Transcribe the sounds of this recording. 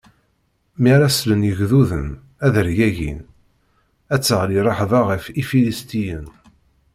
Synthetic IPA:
miɾæslənjəʝðuðə̰n | æðəɾʝæʝḭn | æt͡sːəʁliɾˤɑħðˤɑʁəfifilist̪ijən

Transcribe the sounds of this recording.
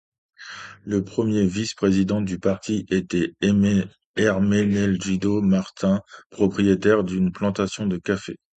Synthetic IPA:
ləpχəmjevispχezid̪ɑ̃d̪ypaʁt̪ʰiʔet̪ɛ | ɛʁmɛnɛlʒid̪omaʁt̪ɛ̃pχɔpχijet̪ɛʁd̪ynplɑ̃t̪asjɔ̃d̪əkafḛ

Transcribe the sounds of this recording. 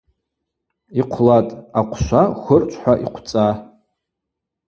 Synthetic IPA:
iqʷʰlatʼaqʷʰʃʷaχʷərt͡ʃʷʰʼħʷaʔiqʷʰt͡sʼa

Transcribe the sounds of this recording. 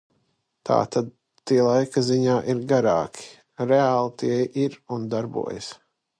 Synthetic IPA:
t̪a̰ːt̪ad̪̚ | t̪ːiɛlˠajkaziɲaːʔiɾɡaɾaːkʰʲi̥ | ɾeaːlˠt̪iɛjʔiɾund̪aɾbṵɔja̰s

